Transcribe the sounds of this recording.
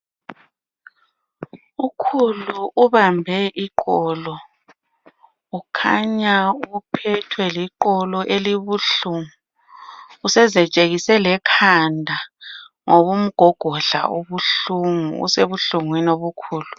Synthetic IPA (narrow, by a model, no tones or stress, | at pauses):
ukʰuluʔuβambʱɛʔiǃɔlɔ | ukʰaɲaupʰɛtʰwɛliǃɔlɔʔeliβuɬuŋuː | sɛzɛt͡ʃʼeɣisɛlɛkʰandʱa | ŋoβum̩ɡ̥ʱɔɡ̥ʱɔɬa̰ʔoβuɬuŋṵṵseβuɬuŋwinoβukʰuːlu